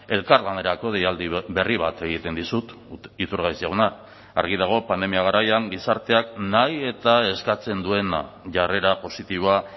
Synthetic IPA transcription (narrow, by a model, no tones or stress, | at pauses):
e̞lkaɾlaneɾako̞ð̞ejald̪iβe̞riβ̞at̪e̞ɣit̪e̞nd̪isut̪ | it̪uɾɣajsiaɣona | a̰ɾɣ̞iðaɣ̞o̞pand̪e̞miaɣaɾajaŋɡisaɾt̪e̞aknaje̞t̪ae̞skat͡se̞nd̪ue̞na̰ | ʝare̞ɾapo̞sit̪iβ̞oa